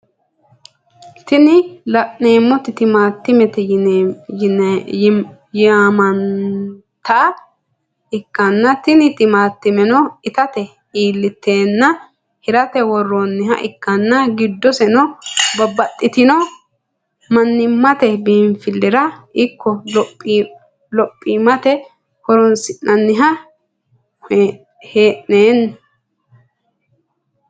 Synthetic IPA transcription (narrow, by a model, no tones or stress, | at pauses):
t̪ɪnɪlɐʔneːmːɔt̪ɪt̪ɪmaːt̪ːɪmɛt̪ɛ | n | jamɐn | t̪ʰɐʔɐ | ɪkːɐnːɐt̪ɪnɪt̪ɪmaːt̪ːɪmɛnɔɪt̪ɐt̪ɛ | iːlːɪt̪ːe̞ːnːɐ | hɪɾɐt̪ɛwɔrːɔnːɪɦɐ̰ʔɪkːɐnːɐɡɪd̪ːɔsɛnɔbɐbːɐt̪ʼːɪt̪ɪnɔ | mɐnːɪmːɐt̪ɛbiːɱfɪlːɪɾɐɪkːɔpʼː | lɔpʼːimɐt̪ɛ | kɔɾɔnsɪnːɐnːɪɦɐ | heːʔneːn